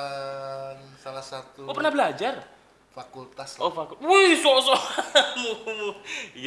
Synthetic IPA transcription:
ənsalahsat̪uopərnahbəlad͡ʒar | fakult̪asofakulwehsɔʔsɔmumu

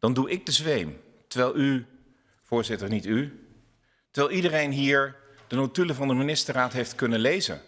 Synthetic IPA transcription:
d̥ɑnduʔɪɡ̚dəzʋejm | təɹʋɛjlˠy | v̥ʊːɹzɪtəɹnity | təɹʋɛːlˠidərejnɦiːɹ | d̥ənotyləvɑndəminɪstəraːtɦejftkɵnənlejzə̰n

